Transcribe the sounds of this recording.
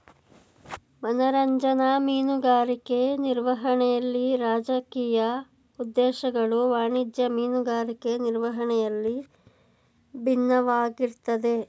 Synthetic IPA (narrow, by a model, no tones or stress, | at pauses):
mɐnɐɾɐɲd͡ʒɐnɐmiːnuɡaːɾikeniɾʋɐɦɐɳɛjɐlːiɾaːd͡ʒɐkiːjɐ | ud̪ːɛːʃɐɡɐɭuʋaːɳid̪jɐmiːnuɡaːɾikeniɾʋɐɦɐɳɛjɐlːi | bʱinːɐʋaːɡiɾt̪ɐd̪e̞